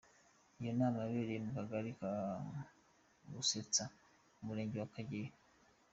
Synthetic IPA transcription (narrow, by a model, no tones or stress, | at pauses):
ijo̞naːmaβeːɾejemukaɡaɾika | βuset͡sa | umuɾe̞ːɲɟewakaɟee